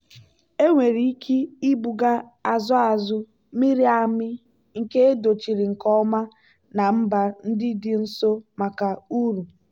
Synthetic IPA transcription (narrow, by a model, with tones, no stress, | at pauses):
e˦ŋʷe˨ɾi˦i˦kʰi˦i˦bu˨ɡa˦ | a˨zʊ˦a˨zʊ˦ | mi˦ɾi˦a˨mɪ˦ | ŋ̩˨ke˦e˦do˨t͡ʃi˨ɾɪ˨ŋ̩˨kɔ˦ma˦ | na˨m̩˦ba˨n̩˦dɪ˦dɪ˦n̩˦so˦ma˨ka˨u˦ɾu˨